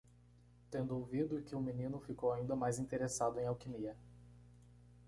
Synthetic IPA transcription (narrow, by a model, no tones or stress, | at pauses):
t̪ẽnd̪ʊowvid̪ʊkɪʊminĩnʊfikowaĩnd̪ɐmajzĩt̪eɾesad̪ʊẽj̃awkimiɐ